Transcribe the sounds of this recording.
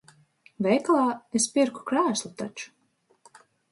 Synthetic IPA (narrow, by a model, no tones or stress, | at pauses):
vɛjklˠaːespiɾku̥kɾæːslˠut̪a̰t͡ʃu̥